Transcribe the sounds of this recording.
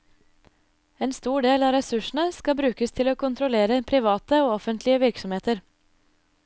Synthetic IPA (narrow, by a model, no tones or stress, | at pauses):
eːnst̪uːɖeːlɑːɾɛsʉʃn̩əskɑbɾʉːkəst̪ʰɪloːkʰʊnt̪ʰɾʊleːɾəpʰɾɪʋɑːt̪əoːɔfənt̪lɪəʋɪɾksɔmheːt̪əɾ